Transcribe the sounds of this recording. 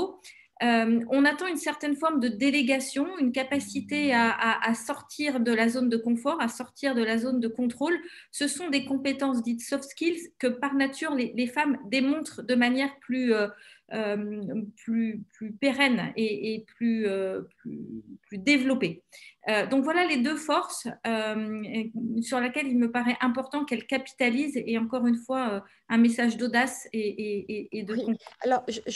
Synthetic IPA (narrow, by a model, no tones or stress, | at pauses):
ømɔ̃nat̪ɑ̃ynsɛʁt̪ɛnfɔʁmd̪əd̪eleɡasjɔ̃ynkapasit̪eaaʔasɔʁt̪ʰiʁd̪əlazond̪əkɔ̃fɔʁasɔʁt̪ʰiʁd̪əlazond̪əkɔ̃t̪χol | səsɔ̃d̪ekɔ̃pet̪ɑ̃s̬d̪it̪sɔft̪skʲilzkəpaʁnat̪ʰyːʁlelefamd̪emɔ̃t̪χd̪əmanjɛʁplyøømplyplypeʁɛneeplyøplyplyd̪evlɔpeød̪ɔ̃kvwalaled̪øfɔʁsøm | syʁlakʲɛlilməpaʁɛʔɛ̃pɔʁt̪ɑ̃kɛlkapi̥t̪alizeɑ̃kɔʁynfwaø | ɛ̃mesaʒd̪od̪aseeeːd̪əɔ̃kalɔʁʒ